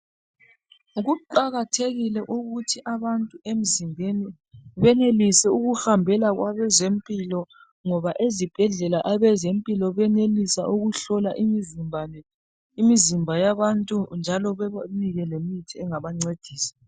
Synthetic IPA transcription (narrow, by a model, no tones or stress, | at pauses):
ɣuǃaɣatʰeɣilɛʔuɣutʰiʔaβantʼuem̩zimbʱeni | βɛnelisɛuɣuhambʱɛlaɣwaβɛzempʼilɔ | ŋɔβaʔezib̥ʱɛɮɛlaʔaβɛzempʼilɔβɛnelisaʔuɣuɬɔlaʔimizimbʱanɛ | imizimbʱajaβantʼund͡ʒʱalɔβɛaniɣɛlemitʰiɛŋaβaŋ͡ǀed̥ʱiːsḁ